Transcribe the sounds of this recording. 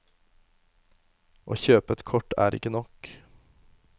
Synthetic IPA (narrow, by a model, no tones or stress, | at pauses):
ʔo̰ːçøːpət̪kʰɔʈæ̰ːɾɪ̰kənɔk